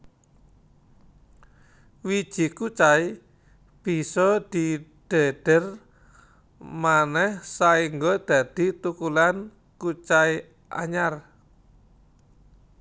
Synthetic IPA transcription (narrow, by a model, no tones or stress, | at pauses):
wid̥ʒ̥i̤kut͡ʃai | b̥i̤sɔd̪̥i̤ɖ̪̥ə̤ɖ̪̥ər | manɛhsaiŋɡod̪̥a̤d̪̥i̤t̪ukulan | kut͡ʃai | ʔa̰ɲar